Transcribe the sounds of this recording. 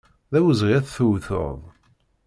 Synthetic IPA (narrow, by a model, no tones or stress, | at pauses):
ðæwəzʁiæθθuwθo̰ðˤ